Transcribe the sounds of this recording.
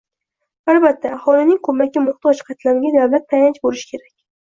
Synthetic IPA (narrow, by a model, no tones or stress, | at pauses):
albat̪ʰːaːhɒlɪnɪŋkʰɵmakʲːɪmʊχt̪ɒt͡ʃqʰat̪laɾɪɡʲad̪awlat̪ʰːajt͡ʃbolɪʃɪ̥kʲʰe̞ɾakʲ